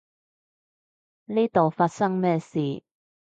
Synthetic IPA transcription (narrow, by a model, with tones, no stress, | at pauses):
niː˥t̪o˨wfaː˧t̚sɐ˥ŋmɛː˥siː˨˩